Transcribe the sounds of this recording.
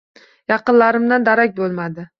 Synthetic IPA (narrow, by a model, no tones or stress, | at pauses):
jɑqɨnlaɾɪmd̪and̪aɾak̚ʲbolˠmad̪ɪ